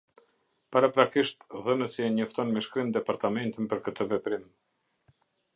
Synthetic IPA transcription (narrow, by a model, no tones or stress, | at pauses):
paɾapɾakiʃt̪ðənəsiɛɲɔft̪ɔnmɛʃkɾimd̪ɛpaɾt̪amɛnt̪inpəɾkət̪ʰəvɛpɾim